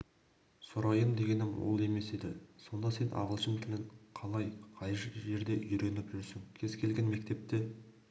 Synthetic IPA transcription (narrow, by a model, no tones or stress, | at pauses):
soɾɑjəmd̪e̞ɡʲe̞nɪmwo̰lˠe̞me̞sed̪ɪso̞nd̪ɑse̞nʔɑ̰ʁəlˠʃənt̪ʰɪlɪŋqʰɑlˠɑjqʰɑjʒʒe̞ɾd̪e̞ʔʏjɾe̞nɪpʒʏɾsɪŋkʲʰe̞zkʲʰe̞lɡʲe̞nme̞kt̪e̞p̚t̪e̞